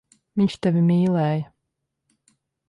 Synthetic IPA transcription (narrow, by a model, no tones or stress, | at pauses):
viɲt͡ʃt̪ɛvʲimiːlɛːjɐ